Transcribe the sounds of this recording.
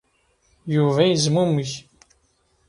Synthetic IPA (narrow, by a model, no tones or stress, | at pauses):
juvæjəzmuməç